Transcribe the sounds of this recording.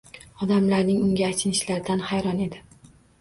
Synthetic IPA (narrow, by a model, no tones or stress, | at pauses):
ɒd̪amlaɾnɪŋʊŋɡʲaːt̪ʰɪnɪʃlaɾɪd̪anhajɾɒne̞d̪ɪ